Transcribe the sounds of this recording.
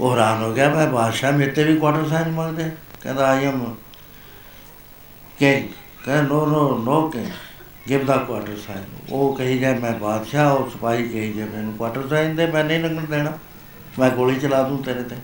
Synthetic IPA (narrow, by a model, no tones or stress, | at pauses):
oːɦɾaːnɦoːɡɪaːmɛ̃ːbʱaːd̪ʃaːmet̪eːʋiːkwaːʈəɾs̬aːinmə̃ɡd̪eːkɛ̰̃ːnd̪aːiəm | kẽ | kɛ̃ːnoːnoːnoːke | ɡɪpd̪aːkwaːʈəɾsaːinoːkəɦiːd͡ʒɛːmɛ̃ːbaːd̪ʃaːoːsəpaːiːkəɦiːd͡ʒeːmeːnũːkwaːʈəɾsaːɪnd̪eːmɛ̃ːnəĩːnəɡənd̪eːnaː | mɛ̃ːkoːliːt͡ʃəlaːd̪ũːt̪eɾẽːt̪eː